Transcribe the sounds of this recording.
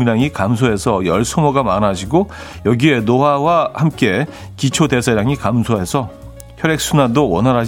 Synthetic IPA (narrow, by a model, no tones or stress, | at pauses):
ɲaŋikamsʰoɦe̞sʰʌjʌɭsʰomoɡamanaɕʰiɡo | jʌɡie̞nowawahamk͈e̞ | kit͡ɕʰode̞sʰaɾjaŋikamsʰoɦe̞sʰʌ | çjʌɾe̞k̚s͈ʰunadoʌnɦaɾɦa